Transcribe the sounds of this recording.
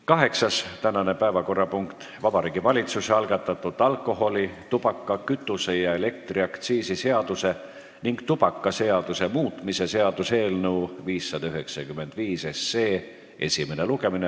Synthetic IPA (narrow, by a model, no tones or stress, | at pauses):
kɑɦe̞ksɑst̪ænɑne̞pæevɑko̞rːɑpuŋkt̪ | vɑbɑɾiːɡ̥ivɑlʲit̪suseɑlɡ̥ɑt̪ːˑɑt̪ːˑud̪ˑɑlkːˑo̞ɦo̞lʲit̪ub̥ɑkːˑɑkyt̪ːˑuse̞jɑe̞le̞k̚t̪riɑkt̪siːsise̞ɑd̪̥use̞ | niŋɡ̥t̪ub̥ɑkːˑɑse̞ɑd̪̥use̞muːt̪ˑmise̞se̞ɑd̪̥use̞ːlnəuviːsːɑd̪̥ɑyɦe̞ksɑkymːˑe̞nd̪̥viːse̞sːeː | e̞̰sʲime̞ne̞luɡe̞mine